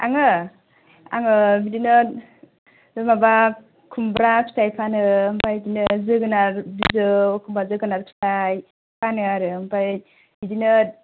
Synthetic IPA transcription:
a̰ŋɯ | a̰ŋɯbidinɯt̚ | maba | kʰumbɾapʰi̥tʰajpʰanɯmpʰajdinɯzɯɡɯnaɾdizɯkʰumbazɯɡɯnaɾpʰi̥tʰaj | pʰanɯaɾɯmpʰaj | bidinɯt̚

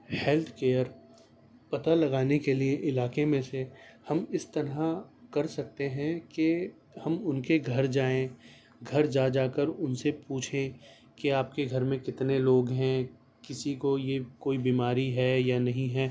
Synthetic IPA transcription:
hɛːlt̪ʰkeːəɾ | pɐt̪alɐɡaːnekelieʔɪlaːkemẽsehɐmɪst̪ɐɾɦakɐɾsɐk̚t̪eɦɛ̃ke | hɐmʊnkeɡʱɐɾd͡ʒaːẽ | ɡʱɐɾd͡ʒaːd͡ʒaːkəɾʊnsepuːt͡ʃʰẽ | keaːp̚keɡʱɐɾmẽkɪt̪neloːɡɦɛ̃ | kɪsikojekoːibiːmaːɾiɦɛːjanɐɦĩɦɛː

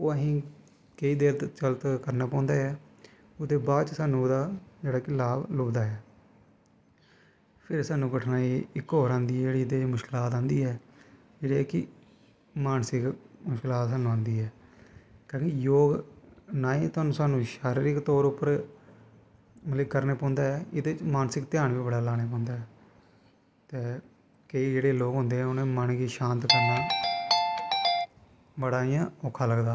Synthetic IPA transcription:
oːəɦĩː | kəiːd̪eːɾt̪t͡ʃəlt̪kəɾnaːpɔ̃ːnd̪aːɦɛː | ʊd̪eːbaːd̪t͡ʃəsaːnũːd̪aːd͡ʒeːɽaːkɪlaːblʊbd̪aːɛː | pʰɪɾsaːnũːkəʈʰnaːiɪkːoːɾãːnd̪iːɛd͡ʒeːɽiːd̪eːmʊʃkɪlaːt̪ãːnd̪iːɛː | d͡ʒeːɽiɛːkɪ | maːnsɪkmʊʃkɪlaːt̪saːnːũːãːnd̪iːɦɛː | kõːkiːjoːɡnaːiːt̪ʊaːnũːsaːnũːʃaːɾiːɾɪkt̪ɔːɾʊpːəɾ | mələːkəɾneːpɔ̃ːnd̪aːɛːɪd̪ɪt͡ʃmaːnsɪkt̪ɪjaːɳʋiːbəɽaːlaːneːp̬ɔ̃ːnd̪aːɦɛː | t̪eː | kəiːd͡ʒeːɽeːloːkɦʊ̃nd̪eːɛ̃ːʊnẽːmənɡiːʃãːnt̪kəɾnaː | bəɽaːijãːoːkʰaːləɡd̪aː

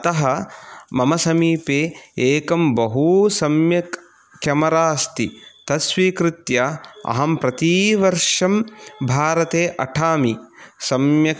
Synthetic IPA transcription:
ɐt̪ɐɦɐmɐmɐsɐmiːpeːeːkɐmbɐɦusɐmjɐk | kjɐmɐɾaːst̪it̪ɐt̪sʋiːkɾɪt̪jaɐ̰ɦɐmpɾɐt̪iʋɐɾʂɐmbʱaːɾɐt̪eːʔɐʈʰaːmisɐmjɐ

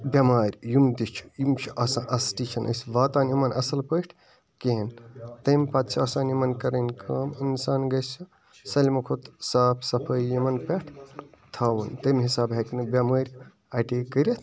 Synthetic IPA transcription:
bʲɐmaːɾʲjumd̪it͡ʃʰu̥jumt͡ʃʰiʔɐsãʔɐsʈiːt͡ʃʰɐnʔɐ̰sʋaːt̪aːnimɐnɐsɐlpəːʈʰ | keɦint̪ɐjmpɐt̪t͡ʃʰiɐsaːnimɐnkɐɾɐnʲkʰaːminsaːnɡɐsɐ | sɐlʲmɐkʰot̪saːpʰsɐpʰɐjjimɐnpeʈʰt̪ʰaːwunt̪ɐmɦisaːbɦɐknɨbʲɐmɐːɾʲ | aʈeːkəɾʲɐt̪ʰ

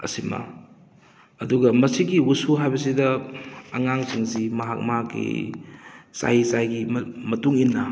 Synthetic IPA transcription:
ɐ̰simːɐ̰ | ɐduɡɐmɐsiɡiusuɦajbɐs̬idɐɐŋaŋsʰiŋzimɐɦak̚mɐɦakːḭ | sa̰jisajɡimmɐtuŋinːɐ

